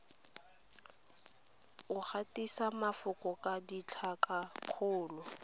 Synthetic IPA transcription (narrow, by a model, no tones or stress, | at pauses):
ʊk͡xatisamafʊkɔkʼadit͡ɬʰakʼaq͡χʰʊːlɔ